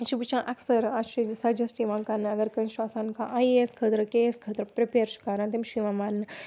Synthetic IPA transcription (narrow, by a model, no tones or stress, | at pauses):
t͡ʃʰibut͡ʃʰãʔɐksɐɾaʃisɐd͡ʒɐsʈiʋãːkɐnɐɡɐɾkɐnʃasãnkã̰ʔajeskʰət̪ɾɐkeskʰɐt̪ɾɐpɾipeːɾʃʰu̥kaːɾãːt̪imʃiʋãmanːɨ